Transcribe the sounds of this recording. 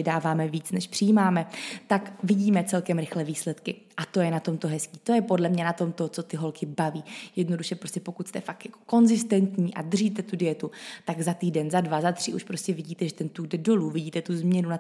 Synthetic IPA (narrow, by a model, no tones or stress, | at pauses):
ɪdaːvaːmɛviːt͡snɛʃpr̥ɪjiːmaːmɛt̪akvɪɟiːmɛt͡sɛlkɛmɾɪxlɛviːslɛt̪kɪ | ʔat̪o̞jɛnat̪o̞mt̪oɦɛskiːt̪o̞jɛpo̞dlɛmɲɛnat̪o̞mt̪o̞t͡so̞t̪ɪɦo̞lkɪbaviːjɛdno̞duʃɛpɾoscɛpo̞kut̪st̪ɛfakjako̥ko̞nzɪst̪ɛnt̪ɲiːʔa̰d̪rʒiːt̪ɛt̪udɪjɛt̪ut̪aɡzat̪iːdɛnzadvazat̪r̝̥ɪʔuʃpɾo̞scʲɛvɪɟiːt̪ɛʒɛt̪ɛnt̪uɡdɛdo̞luvɪɟiːt̪ɛt̪uzmɲɛnuna